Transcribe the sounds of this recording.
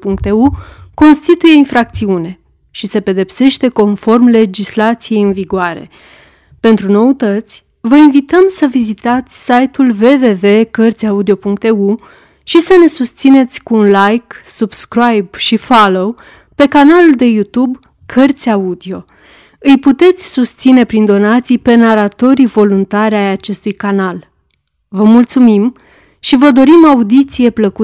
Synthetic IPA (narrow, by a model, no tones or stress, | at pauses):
puŋk̚t̪euko̞nst̪it̪uje̞infɾak̚t̪siune̞ | ʃise̞pe̞d̪e̞pse̞ʃt̪e̞ko̞nfo̞rmle̞d͡ʒislat̪sije̞jɨnviɡoaɾe̞̰ | pe̞nt̪ɾuno̞ut̪ət̪sʲ | vəinvit̪əmsəvizit̪at̪sʲsajt̪ulve̞ve̞ve̞kərt̪sʲaud̪io̞puŋk̚t̪e̞u | ʃisəne̞sust̪sine̞t̪sʲkuːnlajksubskɾajbʃifalo̞w | pe̞kanaluld̪e̞jut̪ub | kʰərt̪sʲaud̪io̞ | ɨjput̪e̞t̪sʲsust̪sine̞pɾind̪o̞nat̪sijpe̞naɾat̪o̞ɾivo̞lunt̪aɾʲajat͡ʃe̞st̪ujkanal | vəmult̪sumim | ʃivəd̪o̞ɾimaud̪it̪sije̞pləku